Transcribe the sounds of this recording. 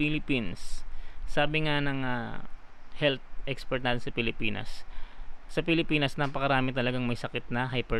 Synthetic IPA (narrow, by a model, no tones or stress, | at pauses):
ilɪpinsː | aːbɪŋanɐŋɐ̰ | hɛlt̪̚ʔɛkspɛɾt̪naːt̪ɪnsɐpɪlɪpiːnɐ̰s | sɐpɪlɪpiːnɐsnɐpɐkɐɾaːmɪt̪ɐlɐɡaŋmɐjsɐkɪt̪̚nɐɦajpɛ